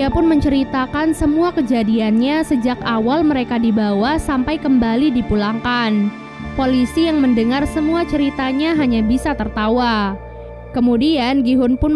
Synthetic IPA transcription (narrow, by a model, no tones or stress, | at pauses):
apʊnməɲt͡ʃəɾit̪akansəmuakəd͡ʒadianɲasəd͡ʒakawalməɾekadibawahsampajkəmbalidipulaŋkan | polisijaŋməndəŋarsəmuat͡ʃəɾit̪aɲaɦaɲabisat̪ərt̪awa | kəmudianɡiɦʊnpʊn